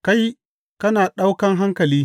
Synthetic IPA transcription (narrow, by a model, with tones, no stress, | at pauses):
ka˦j | kɐ˦naː˨ɗa˦wkɐ˦ŋɦa˦ŋkɐ˨liː˦